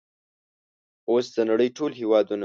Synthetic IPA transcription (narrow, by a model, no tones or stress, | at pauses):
osd̪ənaɽəjʈolɦewɑd̪una